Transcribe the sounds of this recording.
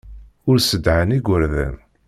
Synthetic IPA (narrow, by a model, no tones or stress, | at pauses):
ʊɾsəd̪ʕəniɡʷəɾðə̰n